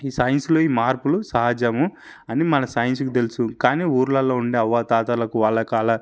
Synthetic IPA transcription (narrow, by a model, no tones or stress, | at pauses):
iːsaːjɐnslo̞ːiːmaːɾpulusɐɦad͡ʒɐmu | ɐnimɐnɐsɐːjɐns̬ukut̪e̞lusukaːniːuːɾlɐlːoːuɳɖeːɐʋːat̪aːt̪alɐkuʋaːɭːɐkaːlɐ